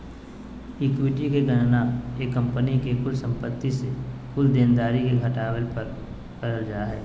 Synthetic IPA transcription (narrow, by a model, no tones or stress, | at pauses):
ɪkwiʈikeɡɐʈnaeːkːɐ̃mpənikekʊlsə̃mpət̪ːisekʊld̪eːnd̪aːɾikeɡʱɐʈaːwəlpɐɾ | kɐɾəld͡ʒaːɦɛː